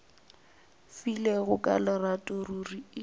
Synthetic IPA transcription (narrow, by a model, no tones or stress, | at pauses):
fileɣʊkʼa̰lɪratʼʊruri